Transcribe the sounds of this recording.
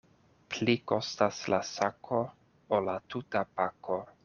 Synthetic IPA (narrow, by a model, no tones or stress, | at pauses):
pliko̞staslasakʰo̞ | olatutapakʰo